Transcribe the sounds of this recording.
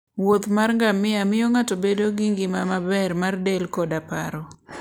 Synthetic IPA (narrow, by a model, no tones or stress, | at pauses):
wot̪marŋɡamɪamɪjɔŋatobedoɡɪŋɡɪmamabɛrmardelkɔdapa̰ɾɔ